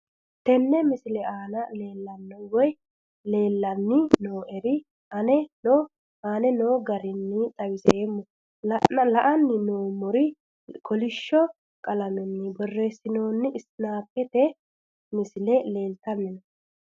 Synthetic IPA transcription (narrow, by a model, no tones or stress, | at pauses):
t̪ɛnːɛmɪsɪlɛaːnɐle̞ːlːɐnːɔwɔj | le̞ːlːɐnːɪnoːʔɛɾɪ | ɐnɛno | aːnɛnoːɡɐɾɪnːɪt̪ʼɐwɪsɛemːɔ | lɐɐlɐʔɐnːɪnoːmʊɾɪ | kʰɔlɪʃːɔ | kʼɐlɐnɔnːɪbɔrːesːɪnoːnːɪʔɪsnaːpːɛt̪ɛ | mɪsɪlɛle̞ːlt̪ɐnːɪnɔ